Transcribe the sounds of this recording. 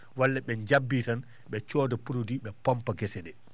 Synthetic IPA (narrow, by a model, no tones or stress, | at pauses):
walːɛɓɛɲd͡ʒabːitan | ɓɛt͡ʃɔːdɔpuɾodiɓɛpɔmpaɡɛsɛdɛ